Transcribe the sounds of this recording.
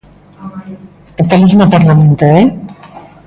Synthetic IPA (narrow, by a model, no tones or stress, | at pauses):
est̪almizmopaɾlamẽnt̪oe